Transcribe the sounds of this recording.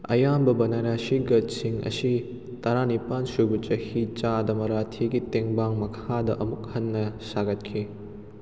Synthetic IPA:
ɐ̰jambɐbɐnɐɾasiɡɐt̚siŋɐ̰si | tɐɾanipansubɐt͡ʃɐhit͡ʃadɐmɐɾatʰiɡiteŋbaŋmɐkʰadɐʔɐmuk̚hɐnːɐsaɡɐt̚kʰi

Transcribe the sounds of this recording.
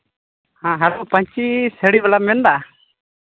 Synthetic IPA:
hãɦaɾupaɲt͡ʃisɛɽibɛlamɛnda

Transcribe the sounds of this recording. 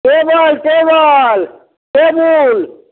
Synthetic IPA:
keːbaːlkeːbaːl | keːbuːl

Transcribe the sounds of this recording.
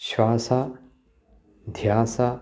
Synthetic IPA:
ɕwaːsa | d̪ʱjaːsa

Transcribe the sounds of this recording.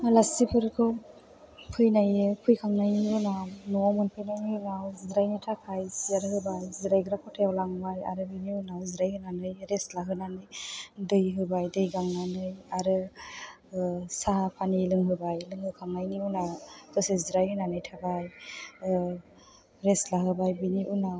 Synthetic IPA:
alasipʰɯɾkʰɯ | pʰɯjnajɯpʰujkʰaŋnajniunanɔɔmɯnpʰɯjnajninawzɾajnɯjtʰakʰajsaɾɯhɯbajziɾajɡɯɾakʰɔtʰajawlaŋbaja̰ɾɯbɯniunaziɾajhɯnanɯjɾeslaɦɯnanɯjdɯjɦɯbajdɯjɡaŋnanɯjaɾɯ | saapʰanilɯŋɦɯbajlɯŋhɯkʰaŋnajniɯnad̥ɔseziɾajɦɯnanɯjtʰakaj | ɾeslaɦɯbajbiniʔuna

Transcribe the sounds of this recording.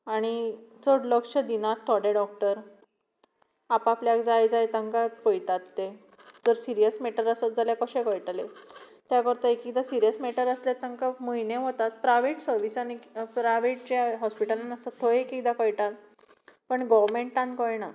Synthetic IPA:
aɽ̃it͡səɽləkʂəd̪inat̪ʰːɔɽeɖɔk̚ʈəɾ | apapljakd͡zajd͡zajt̪ãŋkat̪pəjt̪at̪ːe | d͡zəɾsiɾijəsmeʈəɾəsət̪̚d͡zʱaljakəɕẽkəjʈalet̪jakəɾt̪əekik̚d̪asiɾijəsmeʈəɾəslat̪ə̃ŋkaməjneɦot̪at̪̚pɾajʋeʈsəɾʋisanipɾaʋeʈ̚t͡ɕaɦɔspiʈəlanəsət̪ʰojekik̚d̪akəjʈat̪ | pəɳɡɔʋɾmeɳʈʈːãnkəjna

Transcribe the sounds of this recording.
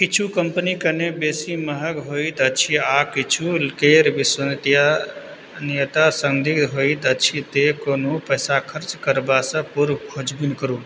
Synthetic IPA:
kit͡ʃʰukəmpənikənebesiməɦəɡɦoit̪ət͡ʃʰiakit͡ʃʰulkeɾbiswənt̪ija | nijət̪asəŋd̪id̪ɦoit̪ət͡ʃʰit̪ekonupəjsakʰəɾt͡ʃkəɾbasə̃puɾɡʰʱod͡ʒbinkəɾu

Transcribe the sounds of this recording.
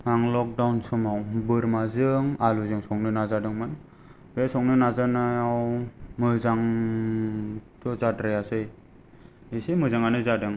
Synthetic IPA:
maŋlɔk̚dawnsɔmawbɯɾmazɯŋaluzɯŋsɔŋnɯnazadɯŋmɯn | besɔŋnɯnazanajawmɯzaŋ | tɔzadɾajasɯj | isimɯzaŋanɯzadɯŋ

